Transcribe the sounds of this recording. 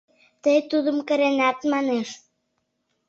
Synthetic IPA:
t̪əjt̪uðə̆mkə̆ɾenæt̪mɑneʃ

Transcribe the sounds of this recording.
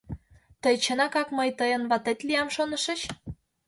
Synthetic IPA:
t̪əjt͡ɕənɑkɑkməjt̪əjənβɑt̪et̪liɑmʃonə̆ʃə̆t͡ɕ

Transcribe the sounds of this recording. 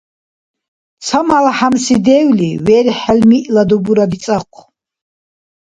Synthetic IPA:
t͡sʰamalaħamsid̪ɛwliwɛɾiħɛlmiʔlad̪ubuɾad̪isʼaqʷʰ

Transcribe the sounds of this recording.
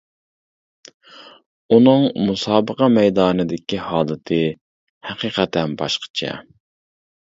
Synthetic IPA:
unɨŋmusɑːbəqɑmɛjd̪ɑːnɨd̪ɪkʲihɑːlˠɨt̪ʰɨ | hɛqiːqʰɛt̪ʰɛnbɑʃqʰə̥t͡ʃʰɛ̰

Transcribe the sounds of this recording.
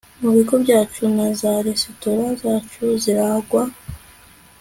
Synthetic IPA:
muβiɡobɟaːt͡ʃunazaɾesotoɾazaːt͡ʃuziɾaɡwa

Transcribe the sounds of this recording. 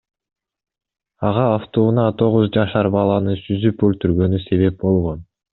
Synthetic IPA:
ɑʁɑːft̪ounɑt̪ʰo̞ʁuzd͡ʒɑʃɑɾbɑlˠɑnɯsyzypølt̪yɾɡø̞nyse̞βe̞p̚bo̞lˠʁo̞n

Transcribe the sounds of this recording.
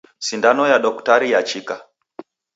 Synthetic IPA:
sindanɔjaɗɔku̥taɾijat͡ʃika

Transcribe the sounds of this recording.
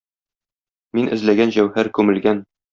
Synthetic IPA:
minʔɘ̆zlæɡænʑæwhæɾkʉmɘ̆lɡæn

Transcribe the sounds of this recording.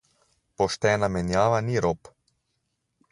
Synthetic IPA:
pɔʃt̪ɛːnamɛnjaːʋaniɾoːp

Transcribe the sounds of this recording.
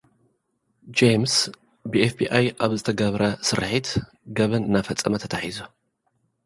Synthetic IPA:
d͡ʒejms | bɨefbiʔajʔaβzɨt̪ʰɐɡɐβɾɐsɨɾħit̪ | ɡɐβɐnɨnafɐt͡sʼːɐmɐt̪ʰɐt̪ʰaħizo

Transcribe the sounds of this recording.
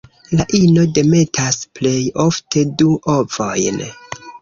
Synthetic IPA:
laʔino̞de̞me̞tʰasple̞jo̞ftʰe̞duʔo̞vo̞jn

